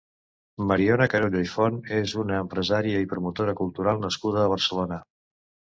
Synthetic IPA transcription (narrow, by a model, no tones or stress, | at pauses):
məɾiɔnəkəɾoʎojfɔnezunəːmpɾəzaɾiəipɾumut̪oɾəkulˠt̪uɾalˠnəskuðəːβ̞ərsəlonə